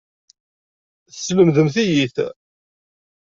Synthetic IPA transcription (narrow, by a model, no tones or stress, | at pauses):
θsːləmðəmθijiθ